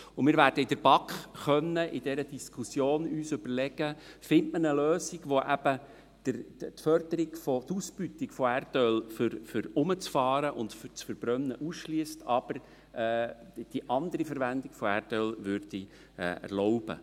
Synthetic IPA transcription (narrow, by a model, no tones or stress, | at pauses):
ʊmɪːɾvæːɾd̥əɪd̥əɾb̥ɑkχχœnːəʔɪd̥ɛɾəd̥iskʰusjoːnyːsʏb̥əɾlɛɡ̥əfɪntmənəløːsiɡʋoʔæb̥ə | d̪̥əɾt̪fœrd̥əɾiɡfɔt̪usb̥yt̪ikfɔærtœlfʏɾfʏɾʊmət͡sfɑːɾəʔʊndfʏt͡sfəɾb̥ɾœnːəʔusʃliəstɑb̥əɾ | ɛːd̥iʔɑnd̪əɾifəɾʋændikfɔærdœlʋʏɾd̥i | ɛ̰ːæ̰rlɔʊbə̰